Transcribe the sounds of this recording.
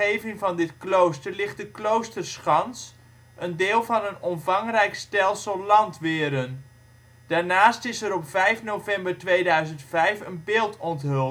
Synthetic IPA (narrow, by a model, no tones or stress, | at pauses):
ejvɪŋvɑndɪtklowstəɹlɪχt̚dəklowstəɹsχɑns | ʔəndɪːlˠvɑnənɔmvɑŋrɛjkstɛlˠsəlˠlɑntʋɪːɾən | d̥aːɹnaːstɪsəɾɔpfɛjfnowvɛmbəɹtʋejdœɥzəntfɛjfənbɪːlˠtɔntɦɵlˠ